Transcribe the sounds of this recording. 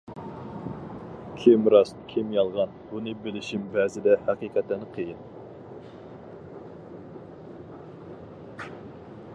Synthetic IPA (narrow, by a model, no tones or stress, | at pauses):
kʲʰimɾɑskʲʰimjɑlˠʁɑnbunɨbɪlɪʃimbɛzɪd̪ɛhæqiqʰɛt̪lænɪqʰəjɪn